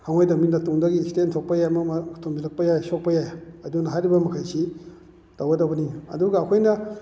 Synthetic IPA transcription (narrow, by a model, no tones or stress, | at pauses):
hʰaŋojdɐminɐtuŋdɐɡistentʰok̚pɐjajmɐmʰtʰombilɐk̚pɐjajsok̚pɐjajɐdunɐɦajɾibɐmɐkʰajsi | d̥awɡɐdɐwbɐniɐ̰duɡɐːkʰojnɐ